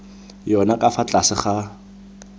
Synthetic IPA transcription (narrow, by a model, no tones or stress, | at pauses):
jɔnakʼafat͡ɬʼasɪχa